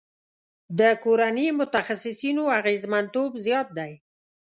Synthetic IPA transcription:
d̪əkoɾanimʊt̪axasɪsinoaɣezmant̪obzjɑt̪̚d̪aj

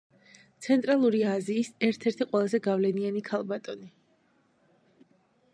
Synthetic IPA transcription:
t̪sʰɛnt̪ʼɾalˠuɾiaziːsɛɾt̪ʰɛɾt̪ʰiqʼwɛlˠazɛɡavlɛnianikʰalˠbat̪ʼɔni

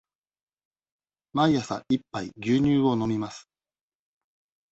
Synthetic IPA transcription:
maiasa̰ʔipːaiɡʲɨːɲ̟ɨːɡo̞no̞mʲimasɨ̥

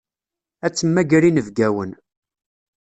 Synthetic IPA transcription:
æt͡sːəmːæɡɾinəvɡæwən

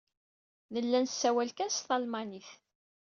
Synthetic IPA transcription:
ðəlːænsːæwælkæsθɑlmɑniθ

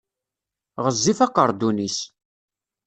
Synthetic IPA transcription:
ʁəzːifæqəɾˤd̪unis

